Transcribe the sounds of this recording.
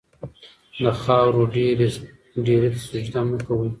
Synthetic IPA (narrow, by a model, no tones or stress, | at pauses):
d̪əxɑwɾoɖeɾe | ɖeɾet̪asʊd͡ʒd̪amakawə